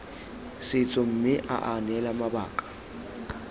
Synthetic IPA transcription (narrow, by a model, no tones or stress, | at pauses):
sɪt͡sʼɔm̩mɪʔa̰ʔanɛlamabaːkʼḁ